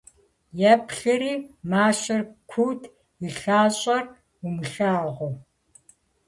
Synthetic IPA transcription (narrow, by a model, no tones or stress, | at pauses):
jɛpɬɐɾiːmaːʃɐrkʷʰuːtʰ | iɬaːɕʼɐr | umɨɬaːʁʷɔ